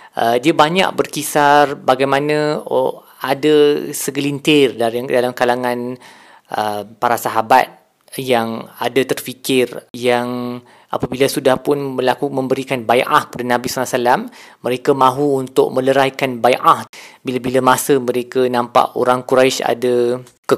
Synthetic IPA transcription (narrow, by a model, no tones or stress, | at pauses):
ʔədiabaɲa̰ʔ̚bərkisarbaɡajmãnə̃ | adəsəɡəlint̪ɪrdadalamkalaŋãn | ʔəpaɾasaɦabat̪̚ | jaŋadat̪ərfikɪrjaŋ | ʔa̰pabilasudahpʊnbəlakuməmbəɾikanbajʔa̰hkə̥padanãbisalaʔsalamːə̃ɾekamãɦuːnt̪ʊʔ̚mə̃ləɾaikanbajʔahbilabilamasəmə̃ɾekanãmpa̰ʔo̰ɾaŋkuɾajʃa̰da | kə